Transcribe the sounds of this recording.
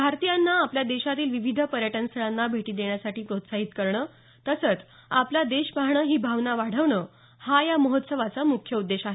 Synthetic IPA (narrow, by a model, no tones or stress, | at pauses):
bʱaɾt̪ijanːaːpljad̪eɕat̪iːlʋiʋid̪ʱəpəɾjəʈənst̪ʰəɭanːabʱeʈiːd̪eɳjasaʈiːpɾot̪saɦit̪kəɾɳəː | t̪əsət͡s | aplad̪eɕpaɦɳəːɦiːbʱaʋnaʋaɽ̤əʋɳəː | hajaməɦot̪səʋat͡samukʰjəud̪ːeɕaɦe